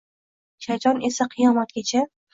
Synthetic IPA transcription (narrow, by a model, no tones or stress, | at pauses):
ʃad͡ʒɒne̞saqʰɨjɒmɒt̪̚ɡʲat͡ʃʰa